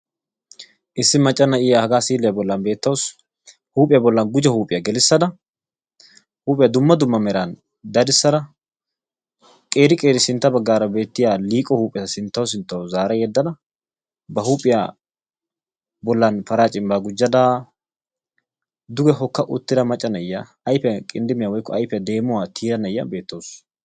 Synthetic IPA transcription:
ʔɪsːɪmɐt͡ʃʼːɐnːɐɪjahɐɡaːsiːlɛjabɔlːɐnbe̞ːt̪ːɐws | huːpʼɪjabɔlːɐnɡʊd͡ʒɐhuːpʼɪjɐɡɛlɪsːɐd̪ɐ | huːpʼɪjad̪ʊmːɐd̪ʊmːɐmɛɾan | d̪ɐd̪ɪsːɐd̪ɐ | kʼe̞ːɾɪkʼe̞ːɾɪsɪnt̪ːɐbɐɡːaːɾɐbe̞ːt̪ːɪjaːliːkʼɔhuːpʼːɛt̪ɐsɪnt̪ːɐws̬ɪnt̪ːɐwzaːɾɐjɛd̪ːɐd̪ɐ | bɐhuːpʼːɪja̰ | bɔlːɐnfɐɾaːt͡ʃʼɪmbaːɡʊd͡ʒːɐd̪aː | d̪ʊɡɛɦɔkːɐʔʊ̰t̪ːɪd̪ɐmɐt͡ʃʼːɐnɐjːa | ɐjpɛkʼɪnd̪ɪmɪjawɔjkːɔɐjpɛjɐd̪e̞ːmʊwaːt̪ʰiːɾɐnɐjːɐ̰be̞ːt̪ːoːs

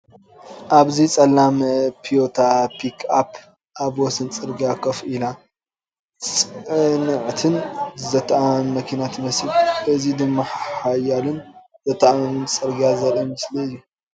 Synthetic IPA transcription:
ʔaβzit͡sʼɐlːamɐpʰijot̪ʰapikʰap | ʔaβwɔsɨnt͡sʼɨɾɡiakʰɐfʔila | t͡sʼ | nɨʕt̪ʰɨnzɐt̪ʰʔanmɐkʰinat̪ʰmɐsilʔɨzid̪ɨmːaħajalɨn | zɐt̪ʰaʔnt͡sʼɨɾɡiazɐlɐmɐslɐjːu

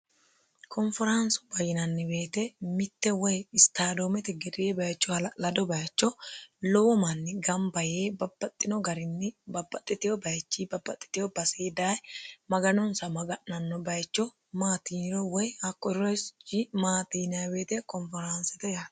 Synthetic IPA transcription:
kʰɔnfɛɾansʊ̥bɐjɪnɐnːɪbe̞ːt̪ɛmɪt̪ːɛwɔjɪst̪aːd̪ɔmɛt̪ɛɡɛd̪ɪeːbɐjt͡ʃːɔhɐlɐd̪ɔbɐjt͡ʃːɔlɔwɔmɐnːɪɡɐmbɐjeːbɐb̥ːɐt̪ʼːɪnɔɡɐɾɪnːɪbɐbːɐt̪ʼːɪt̪ɪjɔbɐjt͡ʃːiːbɐbːɐt̪ʼːɪ̥t̪ɪjɔbɐseːd̪aːjmɐɡɐnɔnsɐmɐɡɐʔnɐnːɔbɐjt͡ʃːɔ | maːt̪iːɾɔwɔjɐkːɔɾɾɔst͡ʃɪmaːt̪iːnɪɐbe̞ːt̪ɛkɔnfɛɾansɛt̪ɛja

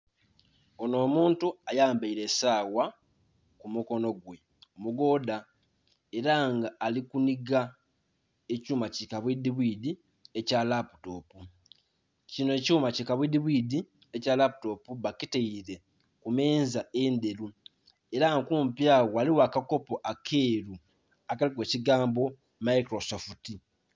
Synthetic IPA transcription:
ono̞ːmuːntuajaːmbaiɾesaːwa | kumuko̞no̞ɡwe̞ | omuɡo̞ːda | e̞ɾaŋɡaːlikuniɡa | e̞cuːmacikaβwediβwidi | e̞calapu̥toːpu | cinoecuːmacikaβwediβwidi | e̞calaputopuβakiteiɾe̞ | kume̞ːnzae̞ːnde̞ɾu | e̞ɾaŋkumpjaːɣoaliwakako̞poʔakʰeːɾu | akalikwe̞ːciɡaːmbo̞ | majkɾosofuti

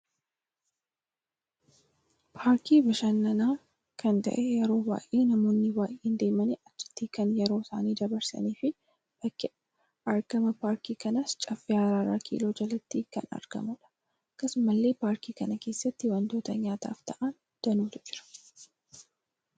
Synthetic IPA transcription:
pʰaːɾkʰiːbɪʃɐnːɐnaː | kʰɐnt̪ɐ̰ʔejɛɾo̞ːwa̰ːjʔʔeːnɐmo̞ːnːɪwaːʔeːnd̪e̞ːmɐniɐt͡ʃːɪ̥t̪ːiːkɐnjɛɾo̞ːsaːniːd̪ɐbɐɾsɐ̰niːfɪ | b̥ɐkːɪ | ʔɐɾɡ̥ɐmɐpaːɾkiːkɐnɐst͡ʃʼɐfːɪjaːɾaːɾa̰ːkʰḭːlo̞ːd͡ʒɐlɐt̪ːiːkɐ̰nɐ̰ɾɡ̥ɐ̰mʊᶑɐ̥ | kːɐsʊmɐlːe̞ːpaːɾkiːkɐnɐke̞ːsːɐt̪ːɪwɐnd̪o̞ːt̪ɐɲaːt̪a̰ːft̪ʰɐʔɐn | d̪̥ɐnuːt̪ʊd͡ʒɪɾɐ̥

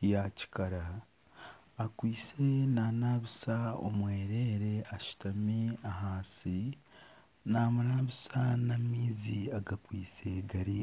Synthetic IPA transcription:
jaci̥kaɾa | kwiːsenaːnaːβisao̰mweːɾe̞ːɾe̞aʃu̥tamiaɦaːsi | naːmunaːβisanamiːziaɡakwiːse̞ɡaɾi

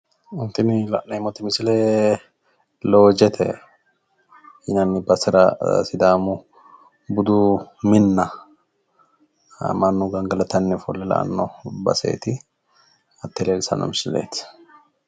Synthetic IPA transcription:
ʊnt̪ɪnɪlɐ̰ʔnɛmɔt̪ɪmɪsɪleː | lo̞ːd͡ʒɛt̪ʰɛ̰ | hɪnɐnɪbɐsɪɾɐsɪd̪aːmʊ | bʊd̪ʊmɪnːɐ | mɐnːʊɡɐŋɡɐlɐt̪ɐnːɛfɔlːɛlɐ̰ɐ̰nːɔbɐ̰sḛːt̪ɪ | ɐt̪ːɛleːlsɐ̰nːɔ̰mɪsɪlḛːt̪

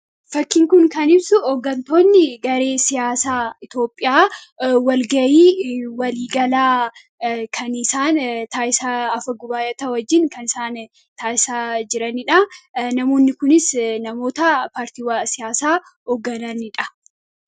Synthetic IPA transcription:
fɐkːɪŋkʊŋkɐnɪbsʊɔɡːɐnt̪o̞ːnːɪɡɐɾe̞ːsɪjaːsaːɪt̪o̞ːpʼːɪjaː | wɐlɡɐjiːwɐliːɡɐlaː | kʰɐnɪsaːnt̪aːɪsaɐfɐɡʊbaːjɐt̪ɐwɐd͡ʒːɪnkɐnɪsaːn | t̪aːɪsaːd͡ʒɪɾɐnɪᶑɐnɐmo̞ːnːɪkʊnɪsnɐmo̞ːt̪ɐpaːɾt̪iwɐsɪjaːsaː | ɔɡːɐnɐnɪᶑɐ̥

